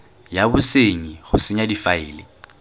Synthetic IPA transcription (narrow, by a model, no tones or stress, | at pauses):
jabʊseɲiχʊsɪɲadifaɪ̰ːlɪ